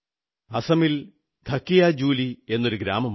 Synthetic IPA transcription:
ɐsɐmil | d̪ʱɐkːijad͡ʑuːlie̞nːo̞ɾuɡɾaːmɐm

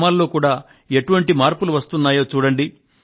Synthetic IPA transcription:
maːlːo̞ːkuːɽaː | e̞ʈuʋɐɳʈimaːɾpuluʋɐst̪unːaːjo̞ːt͡ʃuːɽɐɳɖi

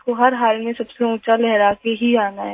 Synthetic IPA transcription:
koɦɐɾɦaːlmẽsɐbseũːt͡ʃalɛɦɾakeɦiaːnaɦɛː

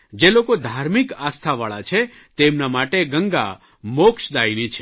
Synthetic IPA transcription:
d͡ʒelokod̪ʱaɾmikast̪ʰaʋaɭa̰t͡ʃʰe | t̪emnamaʈeɡəŋɡa̰ | mokʃd̪ajnit͡ʃʰe̥

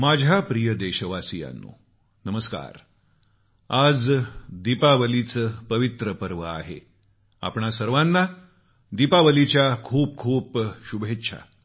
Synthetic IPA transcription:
mad͡ʑʱapɾijəd̪eɕəʋasija̰nːṵː | nəməska̰ɾ | ad͡zd̪ipaʋəlit͡spəʋit̪ɾəpəɾʋəa̰ɦḛ | a̰pɳasəɾʋanːa | d̪ipaʋəlit͡ɕjakʰuːp̚kʰuːpɕubʱetːɕʰa̰

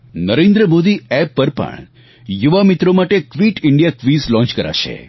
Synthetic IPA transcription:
nəɾẽnd̪ɾəmod̪iɛpːəɾpə̰ɳ | juʋamit̪ɾomaʈekʋiʈɪɳɖijakʋislɔ̃nt͡ʃkəɾa̰ʃʰḛ

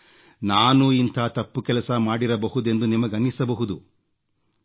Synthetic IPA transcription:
naːnuint̪ʰaːt̪ɐpːukɛlɐsɐmaːɽiɾɐbɐɦud̪e̞nd̪unimɐɡɐnːisɐbɐɦud̪u

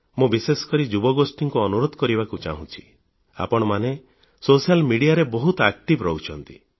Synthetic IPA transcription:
mũbisesɔ̥kɔɾid͡ʒubɔɡosʈiŋkuɔnuɾod̪ʱɔkɔɾibakut͡ʃa̰ɦũt͡ʃʰi̥ | a̰pɔɽ̃ɔmane | sosijalmiɽijaɾebɔɦut̪ɔak̚ʈibɾɔut͡ʃʰɔnt̪ḭ

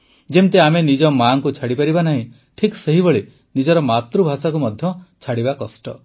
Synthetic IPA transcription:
d͡ʒemt̪eamenid͡ʒɔmaŋkut͡ʃʰaɽipaɾibanaɦĩ | ʈʰikseɦibɔɭe | nid͡ʒɔɾɔmat̪ɾubʱasakumɔd̪ʱjɔt͡ʃʰaɽibakɔsʈɔ

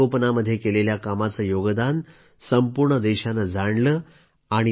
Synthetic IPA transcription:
opnaməd̪ʱːjekeleljakamat͡səːjoɡəd̪an | səmpuɾɳəd̪eɕanad͡zʱaɳləː | aɽ̃i

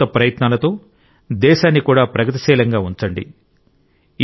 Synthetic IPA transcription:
ɐpɾɐjɐt̪naːlɐt̪o̞ː | d̪ɛːʃaːnːikuːɽaːpɾɐɡɐt̪̬i̥ʃɛːlɐŋɡaːuɲt͡ʃɐɳɖḭ

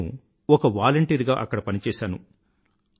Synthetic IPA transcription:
ṵ | ɔkɐʋaːlɐɳʈiːɾɡaːʔɐkːɐɽɐpɐnit͡ʃɛːʃaːnṵ

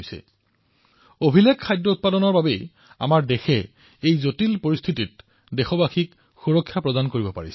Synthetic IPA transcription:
jsɛ̰ | obʱilekʰːajdɹɔut̚padɔnɔɹbabej | a̰maɹdɛxɛ | ejzotilpoɹist̪ʰitit̚ | dɛxɔbaxik | xuɹɔkʰːjapɹɔdankoɹibɔpa̰ɹisɛ

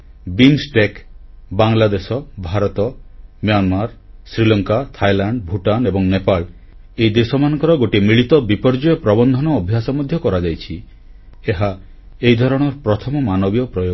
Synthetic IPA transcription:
binsʈek | baŋlad̪esɔbʱaɾɔt̪ɔmianmaɾ | sɾilɔŋkat̪ʰajlaɳɖbʱuʈanebɔŋnepal | ejd̪esɔmanɔ̃ŋkɔɾɔɡoʈimɾiɭit̪ɔbipɔɾd͡ʒɔjɔpɾɔbɔnd̪ʱɔnɔːbʱjasɔmɔd̪ʱjɔkɔɾad͡ʒajt͡ʃʰi | eɦa | ejd̪ʱɔɾɔɽ̃ɔɾpɾɔt̪ʰɔmɔmanɔbiɔpɾɔjo

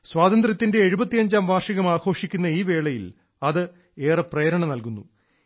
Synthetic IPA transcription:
swaːt̪ɐnd̪rɐt̪ːinde̞ːɻubɐt̪ːijɐɲd͡ʑaːmʋaːʂɐɣɐmaːɡʰo̞ːʂikʲːunːɐiːʋe̞ːɭɐjil | ɐðɨ | eːrɐpreːɐɾɐɳɐnɐlkunːu

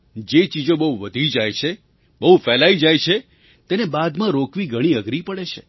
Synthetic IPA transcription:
d͡ʒet͡ʃid͡ʒõbəɦuʋəd̪ʱid͡ʒajt͡ʃʰe | bəɦufɛlaid͡ʒajt͡ʃʰe | t̪enebad̪mãɾokʋiɡʱəɽ̃iəɡɾipəɽet͡ʃʰḛ

